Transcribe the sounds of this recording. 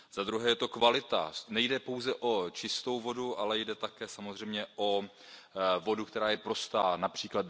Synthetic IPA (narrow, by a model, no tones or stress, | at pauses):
z̥ad̪ɾuɦɛːjɛt̪o̞kvalɪt̪a̰nɛjdɛpo̞wzɛʔo̞t͡ʃɪst̪o̞wvo̞duʔalɛjdɛt̪akɛːsamozr̝ɛjmɲɛʔo̞ | vo̞dukt̪ɛɾaːjɛpɾo̞st̪aːnapr̥iːklad